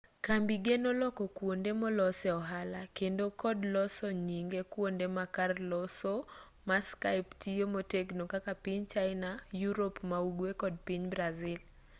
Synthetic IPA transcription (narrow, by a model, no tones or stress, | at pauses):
kambiɡenolɔkɔkwondemɔlɔsɛɔɦalakendokɔdlɔsɔɲiŋɡekwondemakarlɔso | maskaɪptiomoteɡnokakapiɲt͡ʃaɪnajuɾopmauɡwekɔd̚piɲbɾazɪl